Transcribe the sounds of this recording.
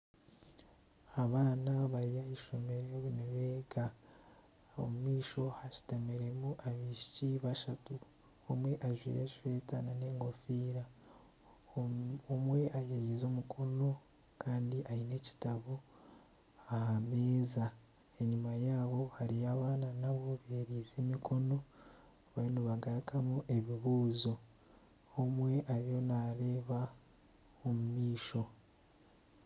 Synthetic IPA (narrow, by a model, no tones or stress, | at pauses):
aβaːnaβaɾijajiʃo̞me̞ɾeβuneβeɡa | o̰mumiːʃo̞haʃi̥tameɾe̞muʔaβiʃiciβaʃatu | omwe̞ʔaʒwḭːɾe̞ʃife̞ːtanane̞ːŋɡo̞fiːɾa | omwe̞ʔajejizo̞ːmukʰo̞no̞ | kaːndiʔaine̞ci̥taβo | ahameːza | e̞ɲumajaːβo̞haɾijaːβaːnanaβo̞βeɾiːzemikʰo̞no̞ | βainoβaɡaɾikamuʔe̞βiβuːzo̞ | omwe̞ʔaɾjo̞naɾe̞ːβa | omumiːʃo̞